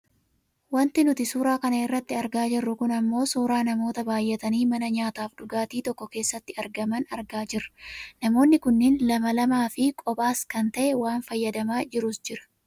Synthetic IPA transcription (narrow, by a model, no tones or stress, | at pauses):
wɐnt̪ɪnʊt̪ɪsuːɾaːkɐnɐɪrːɐt̪ːɪɐɾɡaːd͡ʒɪrːʊkʊnɐmːo̞ːsuːɾaːnɐmo̞ːt̪ɐbaːjːɛt̪ɐniːmɐnɐɲaːt̪aːfɗʊɡaːt̪iːt̪ɔkːɔke̞ːsːɐt̪ːɪɐɾɡɐmɐnɐɾɡaːd͡ʒɪɾɐnɐmo̞ːnːɪkʊnːɪnlɐmɐlɐmaːfɪkʼɔpʼaːskɐnt̪ɐʔɛwaːnfɐjːɐd̪ɐmaːd͡ʒɪɾʊsd͡ʒɪɾɐ̥